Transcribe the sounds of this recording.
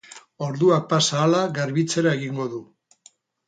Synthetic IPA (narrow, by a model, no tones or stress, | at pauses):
o̞ɾðuak̚pasaːlaɣaɾβit͡se̞ɾae̞ɣiŋɡo̞ðu